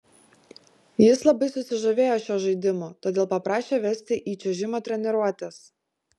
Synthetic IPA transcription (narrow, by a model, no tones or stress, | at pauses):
jɪslˠɐbɐɪsʊsʲɪʒoʋʲeːjoːʃʲoːʒɐɪd̪ʲɪmoːt̪oːd̪ʲeːlˠpɐpɾɑːʃʲeːʋʲɛsʲt̪ʲɪʔiːt͡ʃʲɛʒʲɪmoːt̪ʲɾʲɛnʲɛɾuɔt̪ʲɛs